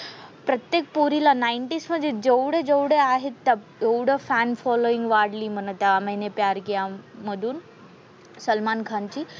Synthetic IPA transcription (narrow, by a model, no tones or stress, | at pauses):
pɾət̪jek̚puɾilanaiɳʈiːsm̤əd͡zed͡ʑeʋɽed͡zewɽeaɦet̪ːa | ewɽəfænfɔloiŋɡʋaɽliːm̤əɳt̪aməɦinepjaɾkejaməd̪ʱuːn | səlmankʰant͡ɕiː